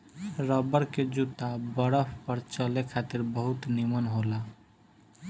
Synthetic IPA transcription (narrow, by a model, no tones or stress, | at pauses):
ɾəbəɾked͡ʒut̪abəɾəpʰpəɾt͡ʃəlekʰat̪iɾbəɦut̪nimənɦola